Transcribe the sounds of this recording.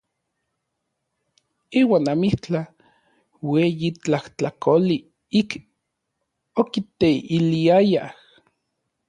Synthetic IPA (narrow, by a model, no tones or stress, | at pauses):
iːwaːnamiht͡ɬa | weːjit͡ɬaht͡ɬakoli | ik | okit̪eiliajah